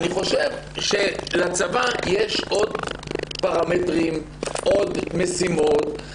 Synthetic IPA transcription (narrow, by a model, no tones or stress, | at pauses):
niχo̞ʃevʃelat͡savajeʃʔo̞dpaʁametʁim | ʔo̞dmesimot̪